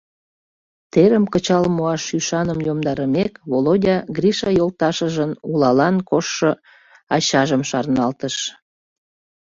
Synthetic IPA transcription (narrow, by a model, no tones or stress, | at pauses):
t̪eɾəmkət͡ɕɑlmoɑʃyʃɑnəmjomd̪ɑɾəmekβolod̪ʲɑɡriʃɑjolt̪ɑʃəʒənulɑlɑnkoʃːo | ɑɕɑʒəmʃɑrnɑlt̪əʃ